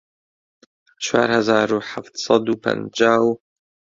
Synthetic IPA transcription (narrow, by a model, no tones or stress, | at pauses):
t͡ʃʰwa̰ːɾhazaːɾuħaft̪sˤɑd̪uːpʰə̰nd͡ʒaːw